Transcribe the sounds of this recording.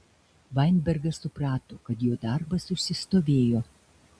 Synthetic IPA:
ʋɐɪnʲbʲɛɾɡɐsʊpɾɑːt̪oːkɐt̪joːd̪ɐɾbɐsʊʃʲsʲɪst̪oːʋʲeːjoː

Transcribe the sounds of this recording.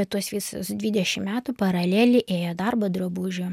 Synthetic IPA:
ɛtt̪uɔsʋʲiːsʊ̰sd̪ʲʋʲiːd̪ʲɛʃʲɪmmʲæːt̪upɐɾɐlʲeːlʲɪʔeːjɛd̪ɐrbɐd̪ɾobuːʒʲʊ

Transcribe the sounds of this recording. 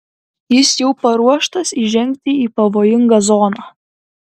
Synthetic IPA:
jɪsjɛʊpɐɾuɔʃt̪ɐsiʒʲɛŋʲk̚ʲt̪ʲɪiːpɐʋoːjɪŋɡɐzɔːnɑː

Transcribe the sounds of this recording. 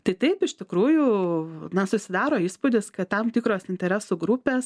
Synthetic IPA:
t̪ɐɪt̪ɐɪpɪʃt̪ʲɪkɾuːjʊnɐsʊsʲɪd̪ɑːɾoːiːspʊd̪ʲɪskɐtt̪ːɐmt̪ʲiːkɾoːsɪnʲt̪ʲɛɾʲæːsuːɡɾupʲeːs

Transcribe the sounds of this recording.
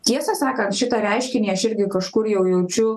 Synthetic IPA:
t̪ʲiɛsɐsɑːkɐnt̪ʃʲɪt̪ɐɾʲɛɪʃʲkʲɪnʲiːɐʃɪɾʲɡʲɪkɐʃkʊɾjɛʊjɛʊt͡ʃʲʊ

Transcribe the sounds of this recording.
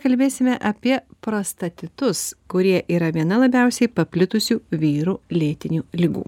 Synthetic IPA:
kɐlʲbʲeːsʲɪmʲɛʔɐpʲiɛpɾɐst̪ɐt̪ʲɪt̪ʊskʊɾʲiɛʔiːɾɐʋʲiɛnɐlˠɐbʲɛˑʊsʲɛɪpɐpʲlʲɪt̪ʊsʲuːʋʲiːɾuːlʲeːt̪ʲɪnʲuːlʲɪɡṵː

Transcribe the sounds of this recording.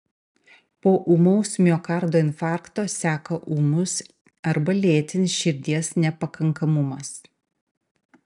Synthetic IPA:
poːʔuːmɐʊsʲmʲoːkɐɾd̪oːɪnʲfɑˑɾkt̪oːsʲæːkɐʔuːmʊs | ɐɾbɐlʲeːt̪ʲɪnʲɪsʃʲɪɾʲd̪ʲiɛsnʲɛpɐkɐŋkɐmʊmɐs

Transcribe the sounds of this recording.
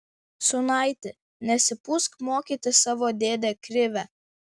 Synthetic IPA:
sʊnɐˑɪt̪ʲɪ | nʲɛsʲɪpʊskmoːkʲit̪ʲɪsɑːʋoːd̪ʲeːd̪ʲeːkɾʲɪʋʲɛ

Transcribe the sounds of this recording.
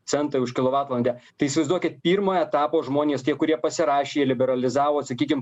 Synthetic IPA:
sʲɛnt̪ɐʊʃkʲɪlˠoʋɑːt̪lˠɐnʲd̪ʲɛt̪ɐɪɪsʲɪʋɐɪzd̪uɔkʲɪt̪̚pʲiːɾmoːɛt̪ɑːpoːʒmoːnʲeːst̪ʲiɛkʊɾʲiɛpɐsʲɪɾɑːʃʲeːlʲɪbʲɛɾɐlʲɪzɑːʋoːsɐkʲiːk̬ʲɪm

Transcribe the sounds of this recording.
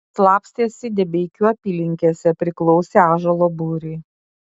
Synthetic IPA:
slˠɑːpsʲt̪ʲeːsʲɪd̪ʲɛbʲeɪkʲuːɐpʲiːlʲɪŋʲkʲeːsʲɛpʲɾʲɪklˠɔʊsʲeːaːʒɐlˠoːbuːɾʲɛɪ

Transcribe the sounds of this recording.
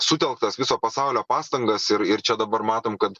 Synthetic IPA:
sʊt̪ʲɛlˠk̚t̪ɐsʋʲɪsoːpɐsɑʊlʲoːpɑːst̪ɐŋɡɐsɪɾɪɾt͡ʃʲɛd̪ɐbɐɾmɑːt̪oːmkɐt̪

